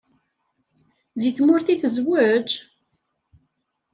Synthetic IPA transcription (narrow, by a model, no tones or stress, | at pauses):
ðiθmʊɾθiθəzwəd͡ʒ